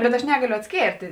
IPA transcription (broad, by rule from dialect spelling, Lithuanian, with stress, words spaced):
ˈbʲɛt ɐʃ ˈnʲæːɡɐlʲʊ ɐtʲsʲˈkʲeːrʲtʲeː